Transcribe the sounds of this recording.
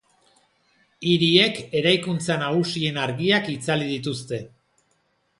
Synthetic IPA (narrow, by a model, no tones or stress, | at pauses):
iɾie̞ke̞ɾajkunt͡sanaɣusie̞naɾɣiakit͡saliðit̪̬ust̪e̞